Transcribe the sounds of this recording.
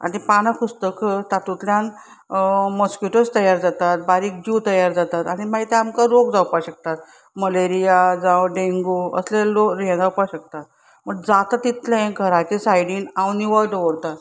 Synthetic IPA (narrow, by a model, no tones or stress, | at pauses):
a̰ñipañəkust̪əkt̪at̪ut̪ljãn | məskjuʈəst̪əjaɾd͡zat̪at̪̚baɾiːk̚d͡ʑut̪əjaɾd͡zat̪at̪aɽ̃imaɡit̪ɛamkaɾoɡd͡zawpaɕək̚t̪at̪̚ | məleɾijad͡zãwɖeŋɡuə̰slẽloɾẽd͡zaupaɕək̚t̪at̪̚ | məɡd͡zat̪at̪it̪ʰlẽɡʱəɾat͡ɕesajɽiːnawniʋəɾɖʋəɽt̪at̪